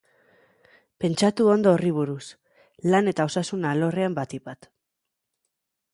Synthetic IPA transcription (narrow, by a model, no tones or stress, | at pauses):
pe̞nt͡ʃat̪uo̞nd̪o̞ːriβ̞uɾus | lane̞t̪ao̞sasunalo̞reambat̪ipat̪